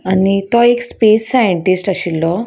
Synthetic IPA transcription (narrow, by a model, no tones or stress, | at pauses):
anit̪ɔekspesːajeɳʈisʈaɕilːɔ